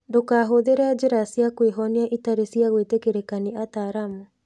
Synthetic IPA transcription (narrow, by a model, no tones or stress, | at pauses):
dokaɦoðeɾead͡ʑeɾasiakweɦɔniaʔitaɾesiaɣwetekeɾekaniataːɾamu